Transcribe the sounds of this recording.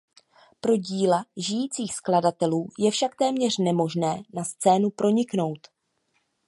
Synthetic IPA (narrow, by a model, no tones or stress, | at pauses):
pɾo̞ɟiːlaʒɪjiːt͡siːxskladat̪ɛluːjɛfʃak̚t̪ɛːmɲɛr̥nɛmo̞ʒnɛːnast͡sɛːnupɾʔo̞ɲɪkno̞wt̪